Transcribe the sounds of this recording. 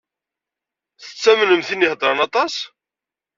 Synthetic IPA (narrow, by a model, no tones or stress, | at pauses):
θə̥t͡sːæmənəmθinːɪhd̪ˤɾˤɑnɑt̪ˤɑs